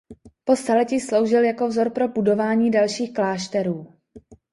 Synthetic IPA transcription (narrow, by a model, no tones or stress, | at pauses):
po̞st̪alɛcislo̞wʒɪljako̞vzo̞ɾpɾo̞budo̞vaːɲiːdalʃiːxklaːʃt̪ɛɾuː